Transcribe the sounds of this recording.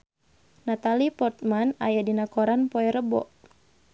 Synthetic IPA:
nat̪alipɔrt̪̚manajadinakɔɾanpɔɛɾəbɔ̰ʔ

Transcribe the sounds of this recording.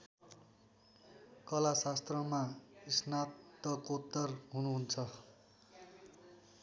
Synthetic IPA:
kʌlasast̪rʌmaisnat̪ːʌkot̪ːʌrɦunuɦunt͡sʰʌ

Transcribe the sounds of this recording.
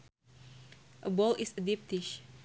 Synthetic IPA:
ʔəbɔlɪsədip̚t̪ɪʃ

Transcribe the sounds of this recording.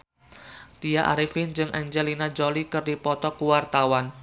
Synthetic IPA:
t̪iaʔa̰ɾifɪnd͡ʒɨŋʔand͡ʒɛlinad͡ʒolikɨrdipɔt̪ɔkuwart̪awan

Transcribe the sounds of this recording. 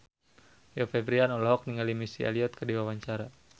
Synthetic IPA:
jɔfɛbɾianɔlɔɦɔk̚niŋalimisia̰liɔt̪̚kədiwawaɲt͡ʃaɾa

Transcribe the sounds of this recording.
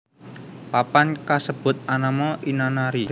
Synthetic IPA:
papankasəb̥ʊ̤t̪̚anamɔʔinanaɾi

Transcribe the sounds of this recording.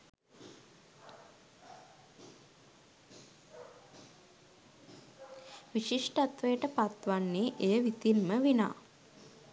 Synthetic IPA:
ʋiʃiʂʈəat̪ʋəjəʈəpat̪ʋanːeːʔejəʋit̪inməʋina̰ː

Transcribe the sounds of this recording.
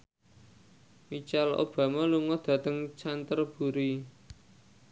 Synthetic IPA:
mit͡ʃalo̰b̥a̤maluŋɔd̪̥ä̤t̪əŋt͡ʃant̪ərb̥ṳɾi

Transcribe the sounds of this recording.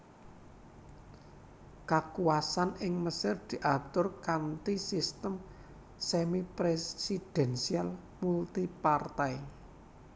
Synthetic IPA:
kakuwasanɪŋməsɪrd̪̥i̤ʔat̪ʊrkant̪isist̪əm | semipɾesid̪̥ɛ̤nsial | mult̪ipart̪ai

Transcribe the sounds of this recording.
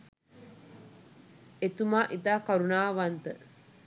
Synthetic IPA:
et̪umaːʔit̪aːkaɾunaːʋant̪ə

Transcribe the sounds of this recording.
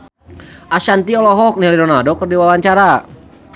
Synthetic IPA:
ʔaʃant̪iɔlɔɦɔk̚nɛliɾɔnadɔkərdiwawaɲt͡ʃaɾa

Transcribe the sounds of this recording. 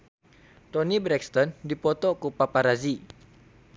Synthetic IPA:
t̪ɔnibɾɛkst̪ɔndipɔt̪ɔkupapaɾazi

